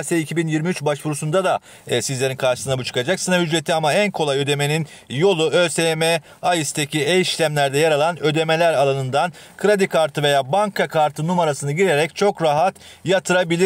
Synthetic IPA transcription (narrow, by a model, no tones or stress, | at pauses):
seicʰibinjiɾmiyt͡ʃbaʃbuɾusund̪ad̪a | sizlʲe̞ɾinkʰaɾʃɯsɯnabut͡ʃʰɯ̥kad͡ʒaksɯnaɦyd͡ʒɾet̪ʰiamaænkʰo̞lˠajø̞d̪e̞me̞nin | jo̞lˠuøseme | ajist̪ʰeciejiʃlʲæmlʲæɾd̪ɛjaɾalˠanø̞d̪e̞me̞lʲæɾalˠanɯnd̪an | kʰɯɾad̪ikʰaɾt̪ʰɯve̞jaːbaŋkʰakʰaɾt̪ʰɯnumaɾasɯnɯɟiɾe̞ɾɛc̚t͡ʃʰo̞kɾaɦat̪jat̪ʰɯɾabilʲi